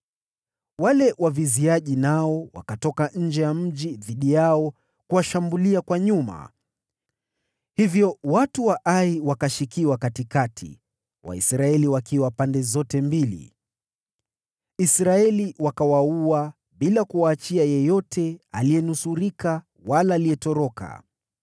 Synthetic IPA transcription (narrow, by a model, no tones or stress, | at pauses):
walɛwʔaviziaʄinaɔwa̰katɔkaɲ̩d͡ʒɛjam̩ʄiðiɗijaɔ | kuwaʃambuliakwaɲuma̰ | hivjɔwatuwaʔaiwakaʃikiwakatikatʰḭ | wa̰ḭsɾaɛliwakiwapandɛzɔtɛmbilḭ | isɾaɛliwakawaua | ɓilakuwaːt͡ʃiajɛjɔtʰɛaliɛnusuɾika | walaːlijɛtɔɾɔka̰